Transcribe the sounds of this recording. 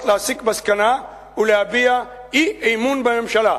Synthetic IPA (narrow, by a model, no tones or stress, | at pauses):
klaːsikbɐskɐna | ulaːbija | iɐjmuːnbɐjɐmʃɐlaː